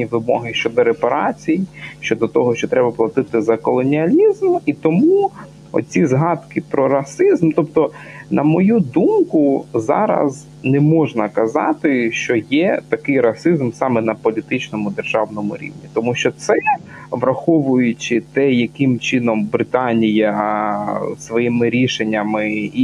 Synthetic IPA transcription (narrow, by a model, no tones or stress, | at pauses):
nʲiʋɪmɔ̰ɦɪʃt͡ʃɔd̪ɔɾepɐɾɑt͡sʲijiʃt͡ʃɔd̪ɔt̪ɔɦɔʃt͡ʃɔt̪ɾɛbɐplˠɐt̪ɪt̪ɪzɐkɔlˠɔnʲiɐlʲizmit̪ɔmu | ɔ̰t͡sʲizɦɑd̪kɪpɾɔɾɐsɪzmt̪ɔpt̪ɔ | nʔɐmɔjud̪umkʊzɑ̰ɾɐ̰z | nɛmɔʒnɐkɐzɑ̰t̪ɪʃt͡ʃɔjɛt̪ɐkɪjɾɐsɪzmsɑmɛnɐpɔlʲit̪ɪt͡ʃnɔmʊd̪erʒɑwnɔmʊ̰ɾʲḭʋnʲit̪ɔmuʃt͡ʃɔt̪sɛ | ʋɾɐxɔʋʊjʊt͡ʃɪt̪ɛjɐkɪmt͡ʃɪnɔmbɾɪt̪ɑnʲijɐ | sʋɔjimɪɾʲiʃenʲːɐmɪ